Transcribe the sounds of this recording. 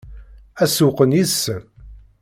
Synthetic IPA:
æsuqənjisːə

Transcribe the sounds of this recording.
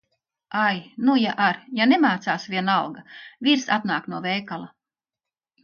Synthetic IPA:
ajnujaʔaɾjanemaːt̪saːsvʲiɛnawɡaviɾsa̰t̪naːknuɔvɛjkalˠa

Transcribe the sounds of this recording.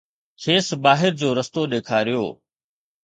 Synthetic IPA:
kʰeːsbaːɦɪɾd͡ʑoːɾɐst̪oɗeːkʰaːɾɪjo̰ː

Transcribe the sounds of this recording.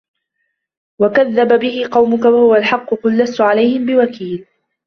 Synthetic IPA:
wakaðːababɪhɪqɑwmʊkawahʊwalħɑqːʊqʊlːast̪ʊʕalajhɪmbɪwakiːl

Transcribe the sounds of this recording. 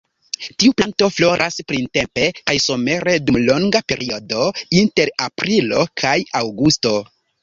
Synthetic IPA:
tiuplanto̞flo̞ɾʔaspɾinte̞mpe̞kajsome̞ɾe̞dumlo̞ŋɡape̞ɾʔiodo̞inte̞ɾapɾilo̞kʰajawɡusto̞

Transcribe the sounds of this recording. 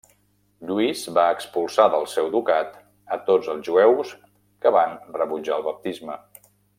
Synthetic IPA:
ʎuizβaəkspulˠsaðəlˠsɛwd̪ukat̪ | ət̪od͡zəlˠzʒuɛws | kəβanrəβud͡ʒaəlˠβəp̚t̪izmə

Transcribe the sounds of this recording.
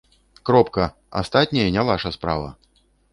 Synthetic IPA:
kɾɔpkɐ | a̰st̪at̪ʲnʲɐjɐnʲavaʂɐspɾa̰vɐ̰

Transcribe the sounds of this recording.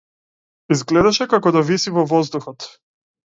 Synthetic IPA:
izɡlɛd̪aʃɛkakɔd̪avisivɔvɔzd̪uxɔt̪

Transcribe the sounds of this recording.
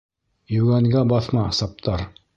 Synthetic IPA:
jɵ̆wɡæŋɡæbɑθmɑsɑp̚t̪ʰɑɾ

